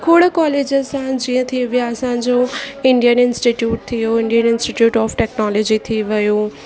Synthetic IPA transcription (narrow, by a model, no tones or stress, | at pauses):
kʰoːɽəkɔːleːd͡ʑəsãd͡ʑiːə̃t̪ʰiʋijaɐsãɲd͡ʑoɪ̃ɳɖijənɪ̃nsʈiʈjuːʈ̚t̪ʰijoɪ̃ɳɖijənɪ̃nsʈiʈjuːʈɔːfʈɛːknɔːlɔd͡ʑit̪ʰiʋəjoː